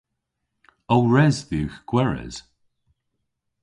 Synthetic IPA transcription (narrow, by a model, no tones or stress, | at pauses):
owɹɛzðiwxɡ̥wɛɹə̰z̥